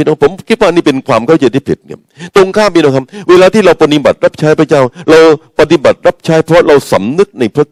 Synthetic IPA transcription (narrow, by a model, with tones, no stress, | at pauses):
i˧na˧˥˦pʰo˩˦mkʰi˦˥t̪̚waː˥˩niː˥˩pe˧nkʰwaː˧mkʰa˥˩wt͡ɕa˧jt̪ʰiː˥˩pʰḭ˨˩t̪̚ka̰˦˥˩ | t̪o˧ŋkʰaː˥˩mi˧nɔ˦˩kʰa˦˥p̚weː˧laː˧t̪ʰiː˥˩ɾa˧wpa˧ni˧˩ba̰˨˩t̪̚ɾa˦˥p̚t͡ɕʰaː˦˥jpʰɾa˧˥t͡ɕaː˥˩wɾa˧wpa˧t̪i˨˧ba̰˨˩t̪̚ɾa˦˥p̚t͡ɕʰaː˦˥jpʰɾɔ˦˥ɾa˧wsa̰˩˦mnɯ˦˥k̚na˧jpʰɾa˦˥˩k̚